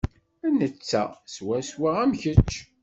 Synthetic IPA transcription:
ænət͡sːæswæswaʁæmçət͡ʃː

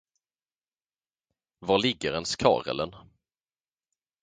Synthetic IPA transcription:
vɑɭɪɡːəɾɛnskʰɑ̰ːɾə̰lən

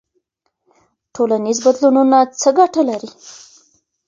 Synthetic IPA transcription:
ʈʰolanizbad̪lununat͡səɡaʈalaɾi

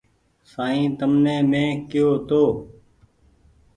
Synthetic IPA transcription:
saːĩːt̪əmnẽːmẽːkɪjoːt̪oː

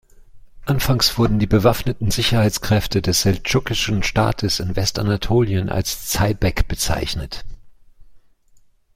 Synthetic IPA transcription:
ʔanfaŋsv̥ʊɐdn̩diːbəvafnətn̩zɪçɐhaɪt͡skʁ̥ɛftʰədɛsz̥ɛlt͡ʃʊkɪʃn̩ʃta̰ːtʰəsɪnvɛstanatʰoːljənʔa̰lst͡saɪbɛkb̥ət͡sa̰ɪçnət

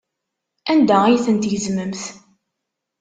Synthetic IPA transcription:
ænd̪æijθənt̪jəzməmθ

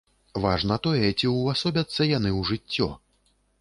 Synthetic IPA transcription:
vaʐnɐt̪ɔjɛt͡sʲiwasɔbʲɐt̪sːɐjan̪ɨwʐɨt͡sʲːɔ̰

